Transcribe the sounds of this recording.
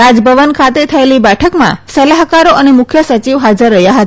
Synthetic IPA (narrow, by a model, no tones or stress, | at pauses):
ad͡ʒbʱəʋənkʰat̪et̪ʰəelibɛʈʰəkmã̰səlaɦkaɾoʔənemʊkʰjəsət͡ʃiʋɦad͡ʒəɾːəɦjaɦət̪a